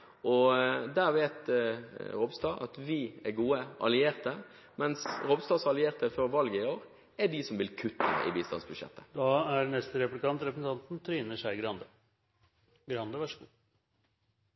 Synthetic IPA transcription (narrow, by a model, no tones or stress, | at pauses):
ɔd̪æɾʋeːt̪ | ɾobst̪ɑʔɑ̰t̪ʋɪɛɡuːəʔɑ̰lɪeːɾt̪ə | mɛnsɾoːbst̪ɑːsɑlɪeːʁt̪əfɔɾʋɑlɡəɪoːɾ | ɛɖisɔmʋɪlkʰʉt̪ʰːə̰ʔɪ̰biːst̪ɑ̰nsbʉd̪ʂjɛ̰t̪ːə̥d̪ɑːæɖnɛst̪əɾɛplɪkʰɑnt̪ɾɛpɾəsn̩t̪ʰɑnt̪n̩t̪ʰɾiːnəʂæɪɡɾɑnd̪ə | ɡɾɑnd̪əʋæʂɡuː